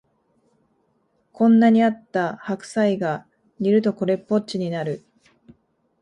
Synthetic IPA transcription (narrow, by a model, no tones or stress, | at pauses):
kʰõ̞nːaɲ̟iat̪ːahakɯ̟̥saiɡa | ɲiɾɯ̟t̪o̞ko̞ɾe̞pːo̞t͡ɕiɲ̟inaɾɯ̟